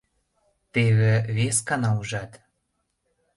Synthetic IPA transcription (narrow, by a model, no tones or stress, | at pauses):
t̪eβĕβeskɑnɑuʒɑt̪